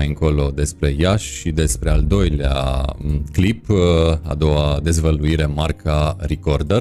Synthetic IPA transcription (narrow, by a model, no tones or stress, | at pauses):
ajɨŋko̞lo̞d̪e̞spɾe̞jaʃːid̪e̞spɾe̞ald̪o̞jlea̰ | klipa̰d̪o̞wad̪e̞zvəluiɾe̞markaɾikord̪ər